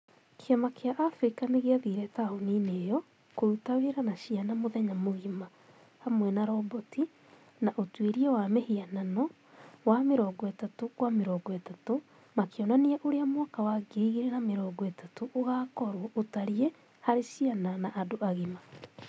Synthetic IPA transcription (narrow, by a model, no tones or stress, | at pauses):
kʰeamakeaʔafɾikaneɣeaðiɾɛtaonineːjɔ | koɾutaweɾanaɕianamoðɛɲamoɣima | hamwɛnaɾɔbɔti | naʔotweɾiɛwamehiananɔ | wameɾɔɡɔetatokwameɾɔːɡɔetato | makeɔnaniɛʔoɾeamwakawaɡeiɣiɾenameɾɔːɡɔetatoʔoɣaːkɔɾwɔʔotaɾie | haɾeʃiananaʔːdoaɣima